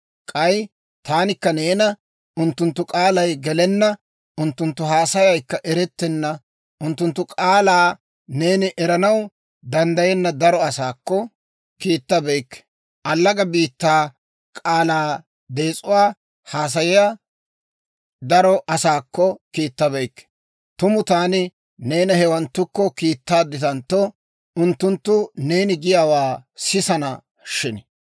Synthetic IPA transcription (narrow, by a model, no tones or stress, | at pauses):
kʼɐj | t̪aːnɪkːɐne̞ːnɐ | ʔʊnt̪ːʊnt̪ːʊkʼaːlɐjɡɛlɛnːɐ | ʔʊnt̪ːʊnt̪ːʊɦaːsɐjɐjkːɐʔɛɾɛt̪ːɛnːɐ | ʔʊnt̪ːʊnt̪ːʊkʼaːlaː | ne̞ːnɪʔɛɾɐnɐw | d̪ɐnd̪ɐjɛnːɐd̪ɐɾɔɐsaːkːɔ | kiːt̪ːɐbɛjkː | ʔɐlːɐɡɐbiːt̪ːaː | kʼaːlaː | d̪e̞ːt͡sʼʊwaː | haːs̬ɐjɪja | d̪ɐɾɔʔɐsaːkːɔkiːt̪ːɐbɛjkː | t̪ʊmʊt̪aːnɪ | ne̞ːnɐhɛwɐnt̪ːʊkːɔkiːt̪ːaːd̪ːɪt̪ɐnt̪ːɔ | ʊnt̪ːʊnt̪ːʊne̞ːnɪɡɪjaːwaːsɪsɐnɐ | ʃɪnɪ